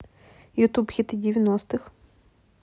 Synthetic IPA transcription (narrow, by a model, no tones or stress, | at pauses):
jʊt̪upxʲit̪ɨdʲɪvʲɪnɔst̪ɨx